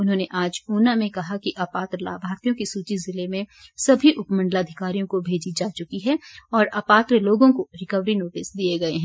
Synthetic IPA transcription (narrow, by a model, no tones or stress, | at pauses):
ʊnɦõneʔaːd͡ʒuːnamẽkɐɦakiʔaːpaːt̪ɾəla̰ːbʱaːɾt̪ijõkisuːt͡ʃizɪlemẽsɐbʱiʔʊpmɐ̃ɳɖəlaɐd̪ʱɪkaːɾijõkobʱeːd͡ʒid͡ʒaːt͡ʃʊkiɦɛɔːɾaːpaːt̪ɾloːɡõkoɾɪkəʋɾinoːʈɪsd̪ieɡɐeɦɛ̃ː